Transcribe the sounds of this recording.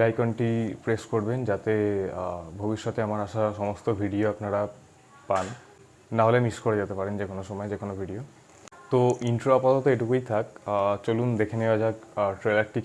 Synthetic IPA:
lajkɔnʈipɾeskoɾbend͡ʑat̪e | bʱobiʃːɔt̪eamaɾaʃaʃɔmost̪obʱiɖioapnaɾa | panː | aɦolemiskoɾed͡ʑat̪epaɾind͡ʑekʰonoʃɔmɔed͡ʑekʰonobʱiɖio | t̪oiɳʈɾoapat̪ɔt̪oeʈukujt̪ʰakt͡ɕolund̪ekʰenewad͡ʑakʈɾelak̚ʈi

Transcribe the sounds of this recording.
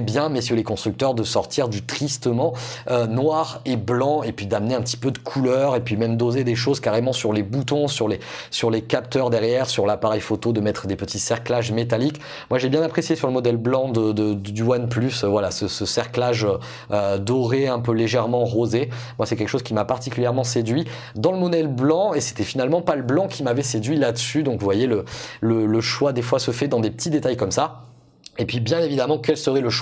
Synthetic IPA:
bjɛ̃mɛsylekɔ̃st̪χyk̚t̪œʁd̪əsɔʁt̪iʁd̪yt̪χist̪əmɑ̃ønwaʁeblɑ̃epɥid̪amneɛ̃pət̪i̥pød̪əkʰulœʁepɥimɛmd̪ozed̪eʃ̬ozkaʁemɑ̃syʁlebut̪ɔ̃syʁlesyʁlekap̚t̪œʁd̪ɛʁjɛʁsyʁlapaʁɛjfot̪od̪əmɛt̪χəd̪epət̪isɛʁklaʒmet̪alik | mwaʒebjɛ̃napχesjesyʁləmɔd̪ɛlblɑ̃d̪əd̪əd̪d̪ywanplysvwalasəsəsɛʁklaʒø | ød̪ɔʁeɛ̃pøleʒɛʁmɑ̃ʁoze | mwasɛkʲɛlkəʃozkʲimapaʁt̪ikʲyljɛʁmɑ̃sed̪ɥi | d̪ɑ̃ləmɔd̪ɛlblɑ̃ese̥t̪ɛfinalmɑ̃paləblɑ̃kʲimavɛsed̪ɥilad̪əsyd̪ɔ̃kvuvwajelələləʃwad̪efwasəfɛd̪ɑ̃d̪epə̥t̪id̪et̪ajkɔmsa | epɥibjɛ̃nevid̪amɑ̃kʲɛlsəʁɛləʃwa

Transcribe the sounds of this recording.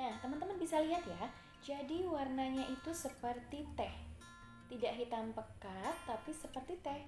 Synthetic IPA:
nat̪əmənt̪əmənbisaliɦat̪ja | d͡ʒadiwarnaɲaʔit̪usəpərt̪it̪ɛh | t̪idaʔɦit̪ampəkat̪ːapisəpərt̪it̪ɛh

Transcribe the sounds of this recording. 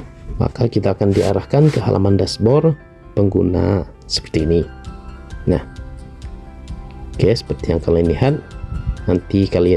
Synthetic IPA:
ma̰kakit̪aːkandiaɾahkankəɦa̰lʔa̰mandasbɔr | pəŋɡṵna̰ | sə̥pə̥rt̪iːni | nah | kajasə̥pərt̪ijaŋkələniɦat̪̚nant̪ikalia

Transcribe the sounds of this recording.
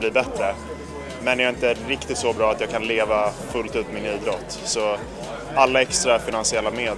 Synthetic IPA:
liːbɛt̪ɾə | mɛnjaːɪnt̪əɾɪkt̪ɪt̪sɔbɾɑːat̪jɑːɡkʰanleːvafɵlt̪ʉ̟ːp̪mɪniːd̪ɾɔt̪ːsɔ | alːaɛkst̪ɾafɪnansɪɛlːameː

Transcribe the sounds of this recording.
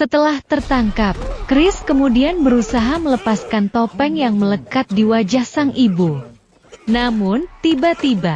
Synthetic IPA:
sət̪əlaht̪ərt̪aŋkap̚kɾɪskəmudianbəɾusaɦamələpaskant̪opɛŋjaŋmələkat̪̚diwad͡ʒahsaŋʔibu | namʊnt̪ibat̪iba

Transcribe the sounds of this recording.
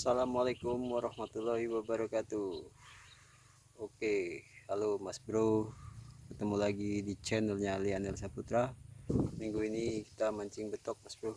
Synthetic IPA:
salamalekʊmwaɾɑhmat̪ulːahiwabaɾakat̪u | okealomasbɾohkət̪əmulaɡidit͡ʃɛnəlɲalianɛlsaput̪ɾa | miŋɡuiniki̥t̪amaɲt͡ʃɪŋbət̪ɔk̚masbɾuh

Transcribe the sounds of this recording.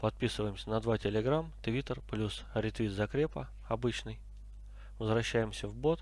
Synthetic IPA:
pɐt̪̚pʲisɨvəjɪmsʲənɐd̪vatʲɪlʲɪɡɾamt̪vʲit̪ərplʲusɾʲɪt̪vʲit̪zɐkɾʲepə | ɐbɨt͡ɕnɨj | vəzɾɐɕːæjɪmsʲəvbo̞t̪

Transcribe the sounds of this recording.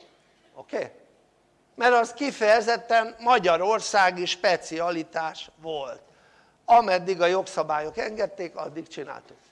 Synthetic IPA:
okeː | mɛɾɒskifɛjɛzɛt̪ːɛmmɒɟɒɾo̞rsaːɡiʃpɛt̪siɒlit̪aːʃʋo̞lt̪ | ɒmɛd̪ːiɡɒjo̞ksɒbaːjo̞kɛŋɡɛt̪ːeːkɒ̰d̪ːikt͡ʃina̰ːlt̪uk

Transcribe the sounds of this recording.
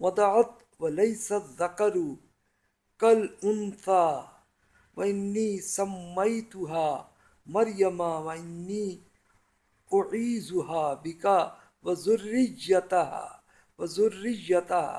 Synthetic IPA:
wɑd̪ˤɑʕat̪ | wɐlɐjsaðːakɑɾ | kalʔʊnθaː | waʔɪnːiːsamːajt̪ʊɦaː | mɐɾjamaːwaʔɪnːiː | ʔʊʕiːzʊhaːbɪka | wazʊrːɪd͡ʒat̪aha̰ | wazʊrːɪjat̪aa̰

